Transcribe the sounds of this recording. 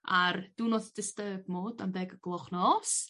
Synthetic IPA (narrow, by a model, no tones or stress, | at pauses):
ard̥uːnoðd̥ɪstəːbmoːdambɛːɡəɡlˠɔχnɔs